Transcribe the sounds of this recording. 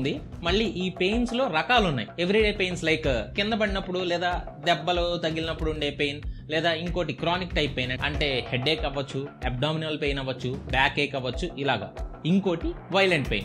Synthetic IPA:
nd̪imɐɭːiːʔiːpe̞jnslo̞ːɾɐkaːlunːa̰ːjie̞ʋɾiɖe̞ːpe̞jnslɐjkkind̪ɐbɐɽinɐpːuɽulɛːd̪aː | d̪ɛbːɐlot̪ɐɡilinɐpːuɽuɳɖe̞ːpejnlɛːd̪aːiŋko̞ːʈikɾaːnikʈɐjpːejnɐɐ̰ɳʈe̞ːheɖeːkɐʋɐt͡ʃːueb̚ɖaːminɐlpeːjnɐʋɐt͡ʃːubaːkeːkɐʋɐt͡ʃːuʔilaːɡa̰ːiŋko̞ːʈiʋɐjleɳʈ̚pejn

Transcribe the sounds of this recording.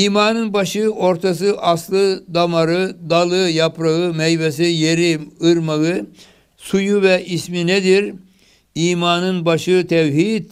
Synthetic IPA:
iːmaːnɯnbaʃɯo̞ɾt̪ʰas̬ɯʔaslˠɯd̪amaɾɯd̪alˠɯjapʰɾaɣɯmɛjbes̬ijeɾiɯɾmaɣɯ | sujuvɛʔismined̪iɾ | iːmaːnɯnbaʃɯt̪ʰɛwɦit̪

